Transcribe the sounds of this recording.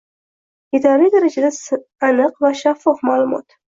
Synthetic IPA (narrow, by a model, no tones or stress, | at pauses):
ɪd̪ɒɾid̪aɾad͡ʒad̪asanɨqvaʃafːɒfmaːlˠʊmɒ̰t̪